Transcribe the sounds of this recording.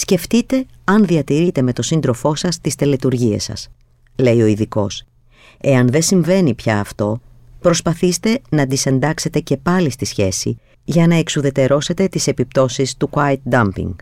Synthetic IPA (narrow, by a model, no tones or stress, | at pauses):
sce̞ft̪it̪e̞ | ɐnðiɐt̪iɾit̪e̞met̪o̞sind̪ɾofo̞sɐst̪ist̪elet̪uɾʝiḛsɐ̰s | le̞io̞iðiko̞̰s | e̞ɐnðe̞siɱve̞nipçɐːft̪o̞ | pɾo̞spɐθist̪e̞nɐd̪ise̞nd̪ɐkse̞t̪e̞ce̞pɐlist̪isçe̞sḭ | ʝɐnɐe̞ksuðe̞t̪e̞ɾo̞se̞t̪e̞t̪ise̞pip̚t̪o̞sist̪ukɐet̪̚d̪ɐmpḭŋɡ